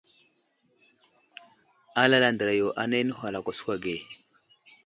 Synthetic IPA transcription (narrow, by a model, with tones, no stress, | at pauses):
a˦la˦la˦ndə˨ɾa˨jo˨ʔa˦ne˦nə˦ɦʷa˨la˨kʷa˨su̥˦kʷa˨ɡe˨